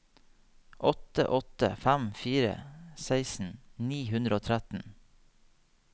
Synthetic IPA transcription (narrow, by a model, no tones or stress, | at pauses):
ʔɔt̪ə̰ʔɔt̪ə̰fæmfiːɾə̰sæɪsn̩niːhʉnd̪ɾəoːt̪ʰɾæt̪n̩